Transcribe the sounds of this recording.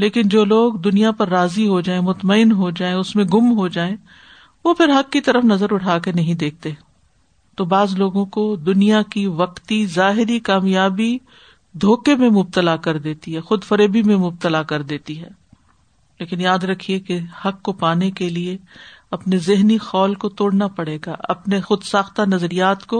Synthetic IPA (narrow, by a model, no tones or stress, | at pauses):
leːkɪnd͡ʒoːloːɡd̪ʊnijapɐɾːaːziɦod͡ʒaːẽmʊt̪məɪnɦod͡ʒaːẽʊsmẽɡʊmɦod͡ʒaːẽ | ʋopʰɪɾɦɐkːit̪ɐɾəfnɐzəɾʊʈʰaːkenɐɦĩd̪eːk̚ʰt̪eɦɛ̃ | t̪oːbaːzloːɡõkod̪ʊnijakiʋɐqt̪izaːɦɪɾikaːmjaːbi | d̪ʱoːkemẽmʊb̚t̪əlakɐɾd̪eːt̪iɦɛːxʊd̪fɐɾeːbimẽmʊb̚t̪əlakɐɾd̪eːt̪iɦɛː | leːkɪnjaːd̪ɾɐkʰiekehɐkːopaːnekelieɐpnezɪɦnixɔːlkot̪oːɽnapɐɽeːɡaɐ̰pnexʊd̪saːxt̪anɐzɾijaːt̪ko